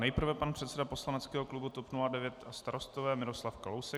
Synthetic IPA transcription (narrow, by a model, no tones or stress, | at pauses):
nɛjpr̩vɛpanr̥ɛt̪sɛdapo̞slanɛtt͡skɛːɦoklubut̪opnuladɛvjɛt̪ast̪aɾo̞st̪ovɛːmɪɾo̞slafkalowsɛ